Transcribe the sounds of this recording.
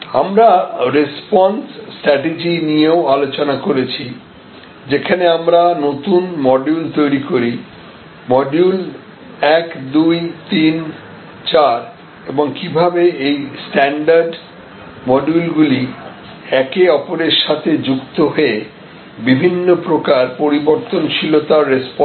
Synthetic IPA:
a̰mɾaɾespɔnsʈɾɛʈed͡ʑinijeoalot͡ɕonakoɾet͡ɕʰi | d͡ʑekʰaneamɾanot̪unmɔɖjult̪ojɾikoɾi | mɔɖjul | ɛkd̪ujt̪in | t͡ɕaɾ | eboŋkibʱabeejsʈɛɳɖaɾɖ | mɔɖulɡuli | ɛkeɔpoɾeɾʃat̪ʰed͡ʑukt̪oɦoe | bibʱinːopɾokaɾpoɾiboɾt̪ont͡ɕʰilot̪aɾespɔ

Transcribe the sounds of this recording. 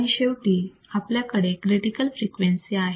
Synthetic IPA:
iɕeʋʈiː | apljakəɽekɾeʈikəlfɾikʋensiaɦe

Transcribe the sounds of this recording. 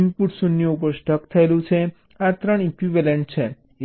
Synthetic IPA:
mpuʈsunjoup̬əɾsʈʰəkt̪ʰəelũt͡ʃʰe | at̪ɾəɳ̃ikʋiʋeleɳʈ̚t͡ʃʰe

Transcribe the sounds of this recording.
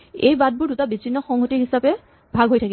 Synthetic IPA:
ejbad̚buɹdutabit͡ʃʰinːɔxɔŋɦotiɦisapɛ | bʱaɡʱɦojtʰaki

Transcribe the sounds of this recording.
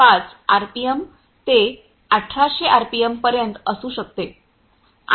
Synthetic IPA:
at͡saɾpijem | t̪e | əʈʰːaɕeʔaɾpiempəɾjənt̪əsuːɕək̚t̪e

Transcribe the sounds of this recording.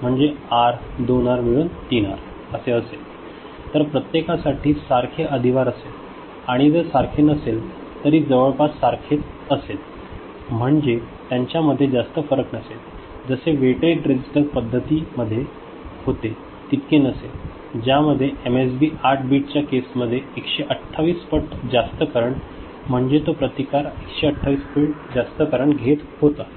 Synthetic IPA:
m̤əɳd͡zeaɾd̪onaɾmiɭunt̪ina̰ɾ | əseəsel | t̪əɾpɾət̪jekasaʈʰiːsaɾkʰeʔəd̪ʱiʋaɾəsel | aɽ̃id͡z̪əɾsaɾkʰenəsel | t̪əɾiːd͡zəʋəɭpassaɾkʰet̪ | əsel | m̤əɳd͡zet̪jaɲt͡ɕjaməd̪ʱːjed͡zast̪əfəɾəknəsel | d͡zəseʋeʈɾeʈɾed͡ʑisʈəɾpəd̪ʱːət̪iːməd̪ʱːje | hot̪e | t̪it̪kenəsel | d͡ʑjaməd̪ʱːjeemes̬biːʔaʈ̚ʰbiʈ̚t͡ɕjakesməd̪ʱːjeekɕeʔəʈʰːaʋiːspəʈd͡zast̪əkəɾəɳ | m̤əɳd͡ʑet̪opɾət̪ikaɾekɕeəʈʰːaʋiːspiʈd͡zast̪əkəɾəɳɡʱet̪hot̪ə

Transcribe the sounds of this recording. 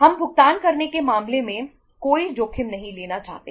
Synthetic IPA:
ɦɐmbʱʊɡ̚t̪aːnkɐɾnekemaːmlemẽ | koːid͡ʒoːkʰɪmnɐɦĩleːnat͡ʃa̰ːɦt̪ḛ

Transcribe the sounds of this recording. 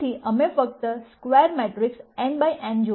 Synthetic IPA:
iʔəmefək̚t̪əskʋɛɾmɛʈɾɪksɛ̃ɳɖbajʔɛ̃nd͡ʒo

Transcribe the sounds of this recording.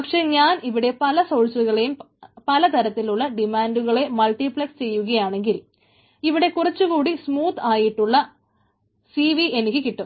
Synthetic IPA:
pɐkʂe̞ːɲaːniʋiɽe̞pɐlɐsowɭsuɣɐɭejum | pɐlɐt̪ɐɾɐt̪ːiluɭːɐɖimaːnɖuɣɐɭe̞mɐlʈipɭɐkst͡ɕe̞jːuɣɐjaːɳe̞ŋɡil | iʋiɽe̞kurɐt͡ɕːuɣuːɽismuːt̪aːjiʈːuɭːɐ | siʋiʔenikʲːɨkiʈːu

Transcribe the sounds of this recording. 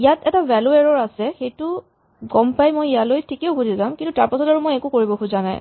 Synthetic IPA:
ijatɛtavɛlueɹɔɹasɛxejtʊ | ɡɔmpajmojijalojtʰikɛʊkudizamkintutaɹpasɔtaɹumojɛkukoɹibɔkʰuzana̰j

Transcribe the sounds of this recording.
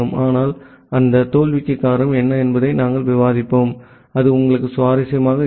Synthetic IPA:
ɯmaːnaːl | ɐnd̪ɐt̪oːlʋɪt͡ʃːɐkːaːɾɐmɛnːɐɛnbɐðɐɪnaːŋɡɐɭʋɪʋaːðɪpːoːm | ɐðɯʊŋɡɐɭɯkːɯsʊʋaːɾɐsɐjɐmaːɣɐ

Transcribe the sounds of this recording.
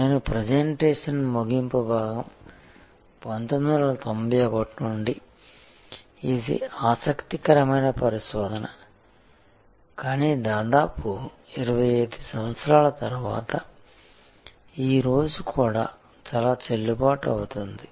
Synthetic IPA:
ne̞ːnupɾed͡ʒeɳʈeːʂɐnmuɡimpubʱaːɡɐm | pɐnt̪ond̪ɐɾɐlɐt̪ombijɐɡoʈːuɳɖi | id̪ḭaːsɐkt̪ikɐɾɐmɐjnɐpɐɾiʃʋɔːd̪ʱɐnɐ | kaːniːd̪aːd̪aːpu | iɾɐʋɐjeːd̪isɐmɐt̪sɾaːlɐt̪ɐɾuʋa̰ːt̪ɐ | iːɾo̞ːd͡ʒukʰuːɽa̰ː | t͡ʃaːlaːt͡ʃelːubaːʈɐ̰wut̪und̪i

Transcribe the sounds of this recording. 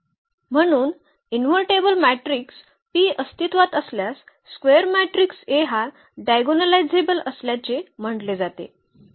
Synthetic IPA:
m̤əɽ̃uːn | inʋəɾʈebəlmæʈɾiks | piːəst̪it̪ʋat̪əsljasː | kʋeəɾmæʈɾikseɦa | ɖajɡonəlajd͡zebələsljat͡sem̤əɳɖled͡zat̪ḛ

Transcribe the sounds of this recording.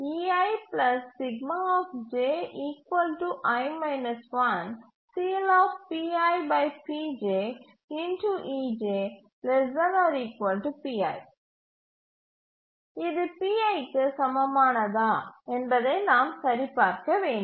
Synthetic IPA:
iɐɪplɐsːɪɡmaɔːfd͡ʒeːiːkʋɐlʈuʔɐɪmɐɪnɐsʋɐ̃n | siːlɔːfpiːaːɪbɐɪpiːd͡ʒeː | ɪnʈuʔiːd͡ʒeː | lɛɐnɔːɾiːkʋɐlʈupiːa̰ːɪ | ɪðɯpiːɐɪkːɨsɐmɐmaːnɐðaːɛnbɐðenaːmsɐɾipaːɾkɐʋẽːɳ

